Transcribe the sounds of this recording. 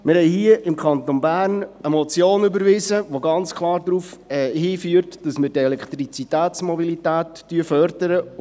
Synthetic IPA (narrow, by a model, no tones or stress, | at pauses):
mɪɾhɛɪhiəʔɪmkχɑnt̪onbæːɾnəmɔt͡sjoːnybəɾvɪsəʋoɡɑnt͡skʰlˠɑːɾd̪ɾuːfɛɦiːfyːəɾtd̥ɑsmɪɾdɛlɛkχt̪ɾit͡sitæːt͡smɔbilitæːtːyəfœɾd̥əɾə